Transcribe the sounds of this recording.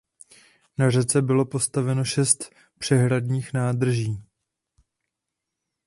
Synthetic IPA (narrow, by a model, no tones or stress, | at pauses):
narɛt͡sɛbɪlo̞po̞st̪avɛno̞ʃɛst̪ | pr̝̥ɛɦɾadɲiːxnaːd̪r̩ʒiː